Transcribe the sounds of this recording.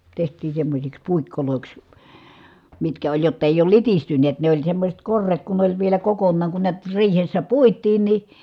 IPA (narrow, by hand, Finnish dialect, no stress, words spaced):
tehtˑiː semːosʲiks puikːoloˑiks mitkæ olʲ jotː eˑij oːl litistynːeːt ne olʲ semːosʲet korːet kun ne olʲ ʋielæ kokonːɑːŋ kun niæt riːhesːæ puitˑiːn ni